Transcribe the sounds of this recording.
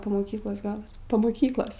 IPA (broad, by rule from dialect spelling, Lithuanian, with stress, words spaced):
poː moːˈkʲiːklˠoːs ˈɡɑːlˠɐs poː moːˈkʲiːklˠoːs